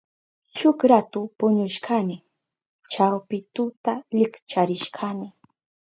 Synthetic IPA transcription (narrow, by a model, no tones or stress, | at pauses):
t͡ʃʊkɾat̪ʊpʊɲʊʃkʰanɪ | t͡ʃawpɪt̪ʊt̪alɪkt͡ʃaɾɪʃkʰanɪ